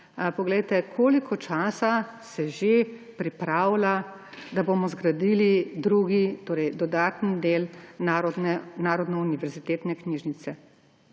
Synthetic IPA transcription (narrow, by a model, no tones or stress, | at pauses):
pɔɡlɛjt̪ɛkʰoːlikʰɔt͡ʃaːsa | sɛʒepɾipɾawla | d̪aboːmɔzɡɾad̪iːlid̪ɾuɡit̪oːɾɛjd̪ɔd̪aːt̪nd̪eːl | nɛnaːɾɔd̪nɛuniʋɛɾzit̪eːt̪nɛkniːʒnit̪sɛ